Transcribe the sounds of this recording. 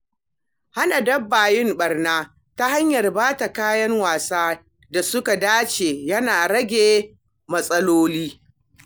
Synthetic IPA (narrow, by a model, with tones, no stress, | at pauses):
ha˦na˨dɐ˦bːaː˨jɪ˦mɓɐ˨rnaː˦ | ta˦ha˦ɲjɐ˨rbaː˦ta˨kaː˦jɐ˦ŋwaː˨saː˦ | da˨sʊ˦ka˨daː˦t͡ʃeː˨jɐ˦naː˨ɽɐ˦ɡʲeː˨ | mɐ˦sʼɐ˦loː˦liː˦